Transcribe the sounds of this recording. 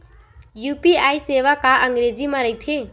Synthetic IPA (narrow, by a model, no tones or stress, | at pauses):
jupiajseʋakaʔəŋɡɾed͡zimaɾəjt̪ʰe